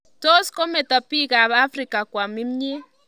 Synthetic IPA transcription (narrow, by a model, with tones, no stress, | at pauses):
tɔ˦skɔ˦mɛ˨t̪a˨pi˦ɣa˨βa˦fri˨ka˨kwa˨mi˦m˦ɲe˦